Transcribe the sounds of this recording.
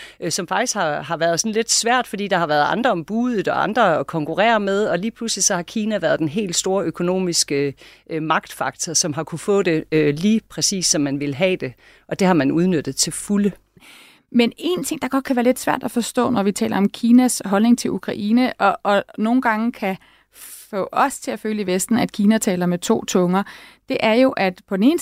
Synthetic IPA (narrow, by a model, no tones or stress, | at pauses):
øsɒ̽mfɑ̈ɡ̥̚d̥isɡ̥hɑ̈hɑ̈ʋæɐð̞̩ˠsɒ̽n̩le̝d̥sʋæɐ̰d̥fɒ̽d̥ḭːd̥ɑ̈hɑ̈ʋæːɐðˠɑ̈nd̥ʁɐɒ̽mb̥uːðˠð̩ˠɒɑ̈nd̥ʁɐkʰɒ̽ŋkʰuʁɛ̰ːɐmeð̞ˠɒ̽liːpʰluslisɒ̽hɑ̈kʰiːnæʋæːɐð̞ˠd̥enɦe̝̰ːld̥sd̥o̝ːɐʔøkʰo̝no̝̰ːmisɡ̥ə | mɑ̈ɡ̥d̥fɑ̈ɡ̥̚t͡sʰɒsɒ̽mɦɑ̈kʰufɔ̰ːd̥e̝øliːpʰʁɛsḭːsːɒ̽mːænʋe̝lɦɛ̰ːd̥e̝ | ʔɒ̽d̥e̝hɑ̈mænuð̞ˠnød̥ð̩ˠt͡sʰe̝lfulə | mene̝nt͡sʰe̝ŋ̰d̥ɑ̈ɡ̥ɒ̽d̥̚kʰæʋæːɐle̝d̥sʋæɐ̰d̥æfɒ̽sd̥ɔ̰ːnɒʋit͡sʰɛ̰ːlʔɐɒ̽mkʰiːnæsɦɒ̽lne̝ŋt͡sʰe̝ʔukʰʁɑ̈ʔiːnəʔɒ̽ʔno̝ːn̩ɡ̥ɑ̈ŋəkʰæ | fɔ̰̽ːɒ̽st͡sʰe̝æføːləiʋesd̥n̩æd̥̚kʰiːnæt͡sʰɛ̰ːlɐmet͡sʰo̝̰ːt͡sʰɔ̽ŋɐd̥e̝ʔæɐjo̝ʔæd̥pʰɒ̽d̥ene̝ːn